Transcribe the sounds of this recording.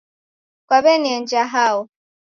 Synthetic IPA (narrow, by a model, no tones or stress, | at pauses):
kwaβɛniɛnd͡ʒaɦaɔ